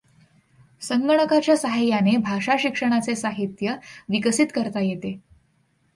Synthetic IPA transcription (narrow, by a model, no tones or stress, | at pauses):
səŋɡəɳ̃əkat͡ɕjasaɦajanebʱaʂaɕikʂəɽ̃at͡sesaɦit̪jəʋikəsit̪kəɾt̪ajet̪e